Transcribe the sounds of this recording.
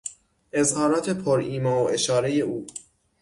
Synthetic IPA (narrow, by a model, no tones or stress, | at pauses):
ʔe̞zhɒːɾɒːt̪ʰe̞pʰoɾiːmɒːoʔe̞ʃɒːɾe̞je̞ʔuː